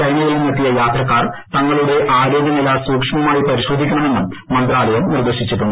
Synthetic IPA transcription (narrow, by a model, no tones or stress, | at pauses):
kɐɾmɐɣɐɭumːɐt̪ːijɐjaːt̪rɐkːaːrt̪ɐŋːɐɭuɽe̞ʔaːɾo̞ːɡjɐnilasuːkʂɐmɐmaːjipɐɾiɕo̞ːd̪ʱikʲːɐɳɐme̞nːumːɐnd̪raːlɐjɐmnird̪eɕit͡ɕːiʈːuɳɖu